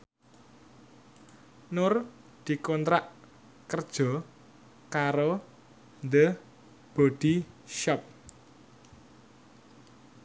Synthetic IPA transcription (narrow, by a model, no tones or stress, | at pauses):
nʊr | d̪̥i̤kɔnt̪ɾaʔ | kərd̥ʒ̥ɔ̤ | kaɾo | nd̪ə | b̥ɔd̪̥i̤ʃɔp̚